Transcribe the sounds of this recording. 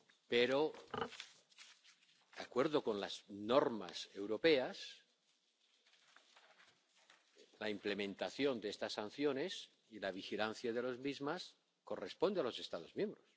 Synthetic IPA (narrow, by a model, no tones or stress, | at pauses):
peɾo̞ | d̪̥akwe̞ɾðo̞ko̞nlazno̞ɾma̰se̞wɾope̞as | laimple̞mẽ̞nt̪aθjo̞nd̪eest̪asːan̟θjo̞ne̞s | ilaβ̞ixilan̟θjaðe̞lo̞zmizmas | ko̞re̞spo̞nd̪ealo̞se̞st̪að̞o̞zmjẽ̞mbɾo̞s